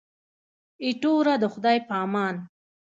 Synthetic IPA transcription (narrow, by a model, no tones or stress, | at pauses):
iʈoɾad̪əxʊd̪ɑjpɑːmɑːn